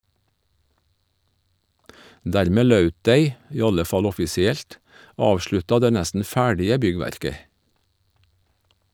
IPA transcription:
ˈdæɾˌmeː ˈlɑʉt ˈdeɪ ˈiː ˈɑlə ˈfɑl ˌɔfɪsɪˈɛlt ˈɑːʋʃɭʉtɑ ˈdeː ˈnæstn̩ ˈfæːɖɪə ˈbʏˌɡʋæɾkə

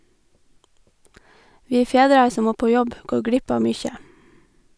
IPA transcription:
ˈʋiː ˈfeːdɾɑɹ ˈsɔm ˈmoː ˈpoː ˈjɔb ˈɡoː ˈɡɽɪp ˈɑː ˈmʏçə

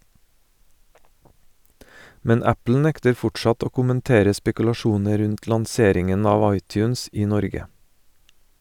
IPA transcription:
ˈmɛn ˈæpl̩ ˈnɛktəɾ ˈfʊʈʃɑt ˈoː kʊmənˈteːɾə spɛkʉlɑˈʃuːnə ˈɾʉnt lɑŋˈseːɾɪŋən ˈɑːʋ ˈɑɪˌtjʉːns ˈiː ˈnɔɾɡə

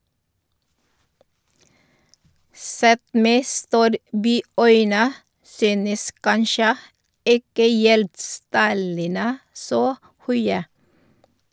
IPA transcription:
ˈsɛt ˈmeː ˈstuːɾˌbyːˌœʏnə ˈsyːnəs ˈkɑnʃjə ˈɪkə ˈjɛldˌstɑlənə ˈsoː ˈhœʏə

